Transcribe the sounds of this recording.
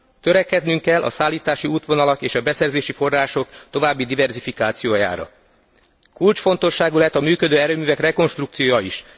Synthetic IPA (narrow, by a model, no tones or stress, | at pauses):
t̪ø̞ɾɛkːɛd̪nyŋkɛlʔɒ̰saːlːiːt̪aːʃiuːt̪ʋo̞nɒlɒkeːʃɒbɛsɛrzeːʃifo̞rːaːʃo̞kt̪o̞vaːbːid̪ivɛrzifikaːt̪sijoːja̰ːɾɒ̰ | kult͡ʃfo̞nt̪o̞ʃːaːɡulɛt̪ːɒmyːkød̪øːɛɾøːmyːvɛkrɛko̞nʃt̪ruk̚t̪sijoːjɒiʃ